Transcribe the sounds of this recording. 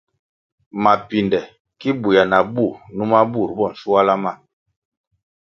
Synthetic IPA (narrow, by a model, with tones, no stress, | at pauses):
ma˨pi˨ndɛ˨ | ki˦bu˨ja˨na˨bu˦˨nu˦ma˦bu˦˨ɾbɔ˦˨n̩˨su˦a˦la˦ma˦˨